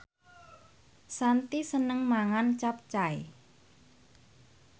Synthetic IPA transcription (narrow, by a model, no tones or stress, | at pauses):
sant̪isənəŋmaŋant͡ʃap̚t͡ʃae